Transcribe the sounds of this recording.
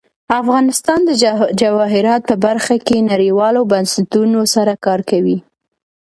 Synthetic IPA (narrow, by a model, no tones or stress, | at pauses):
afɣɑnɪst̪ɑnd̪əd͡ʒawɑɦɪɾɑt̪̚pəbaɾxakenaɾiwɑlobansɪt̪unosaɾakɑɾkawi